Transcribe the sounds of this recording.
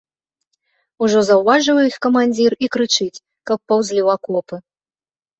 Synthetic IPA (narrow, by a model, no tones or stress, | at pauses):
uʐɔzɐwvaʐɨwjixkɐmanʲd͡zʲirikɾɨt͡ʂɨt͡sʲ | kɐpːɐwzʲlʲiwakɔpɨ